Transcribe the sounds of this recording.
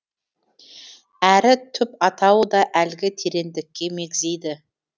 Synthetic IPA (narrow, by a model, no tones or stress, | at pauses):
æɾɪt̪ʰʏpɑt̪ʰɑwəd̪ɑʔælɡʲɪt̪ʰeɾe̞nd̪ɪkʲːe̞me̞ɡʲzejd̪ɪ